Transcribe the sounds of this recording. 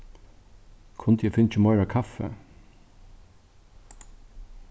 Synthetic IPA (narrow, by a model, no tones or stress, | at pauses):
kʰʊnt̪jɛfɪnt͡ʃɪmɑɪɹakʰafɛ̰